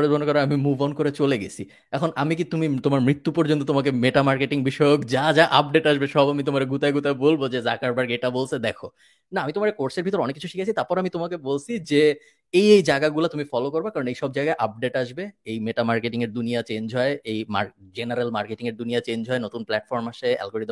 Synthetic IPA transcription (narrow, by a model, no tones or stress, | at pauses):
ɾebʱonokɔɾeamimubʱɔnkoɾet͡ɕoleɡḛt͡ɕʰi | ɛkʰonʔamik̬it̪umit̪omaɾmɾit̪ːupɔɾd͡ʑont̪ot̪omak̬emeʈamaɾkeʈiŋbiʃɔjokd͡ʑad͡ʑaʔap̚ɖeʈaʃbeʃɔbamit̪omaɾeɡut̪aeɡut̪aebolbod͡ʑezakaɾbaɾɡeʈabolt͡ɕʰed̪ɛkʰo | naamit̪omaɾekoɾsʰeɾbʱit̪oɾɔnekːit͡ɕʰuʃikʰat͡ɕʰit̪aɾpɔɾamit̪omakebolt͡ɕʰid͡ʑe | ejejd͡ʑaɡaɡulat̪umifɔlokoɾbakaɾonejʃɔbd͡ʑajɡaeʔap̚ɖeʈaʃbeejmeʈamaɾkeʈiŋeɾd̪unijat͡ɕend͡ʑɦɔeejma̰ɾd͡ʑenaɾelmaɾkeʈiŋeɾd̪unijat͡ɕend͡ʑʱɦɔenot̪unplɛʈfɔɾmaʃeɛ̰lɡoɾid̪